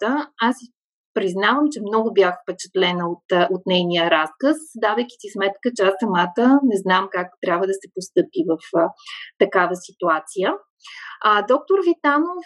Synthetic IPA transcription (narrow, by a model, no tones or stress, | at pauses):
əasi | pɾiznavəmt͡ʃɛmnɔɡʊbjaxfpɛt͡ʃɛ̥t̪lɛnəot̪ot̪nɛjnijəɾaskəsd̪avəjk̟i̥sismɛt̪kət͡ʃɛasɐmat̪ənɛznamkakt̪ɾʲabvəd̪ɐsɛpost̪ɤpivəft̪ɐkavəsit̪uat̪sijə | əd̪ɔk̚t̪oɾvit̪anof